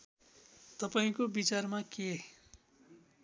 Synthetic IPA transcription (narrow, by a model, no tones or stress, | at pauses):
t̪ʌpaĩkobit͡sarmake